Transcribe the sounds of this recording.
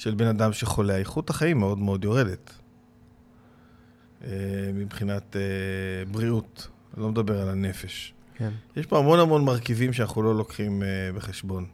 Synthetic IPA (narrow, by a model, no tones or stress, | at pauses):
ʃelbe̞nadamʃeχo̞leaiχuthaχaimːeo̞dmeo̞djo̞ʁe̞det | emibχinatebʁiut | lo̞med̪abe̞ʁalane̞fe̞ʃ | jeʃboamo̞nhamo̞nmaʁkivimʃeanaχulo̞lo̞kχimbe̞χeʃbo̞n